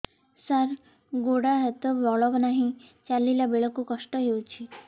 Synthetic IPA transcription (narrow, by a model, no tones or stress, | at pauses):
saɾ | ɡoɽaɦet̪ɔbɔɭɔbnaɦĩt͡ʃalilabeɭɔkukɔʃʈɔɦewt͡ʃʰi